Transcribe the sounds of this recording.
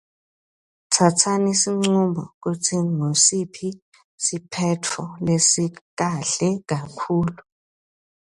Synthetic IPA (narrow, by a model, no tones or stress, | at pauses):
tʰatʰanisiŋ͡ǀumbʱɔ̰k̬utʰiŋosipʰi | sipʰɛtʰɔlesik̬aɬɛk̬akʰuːlu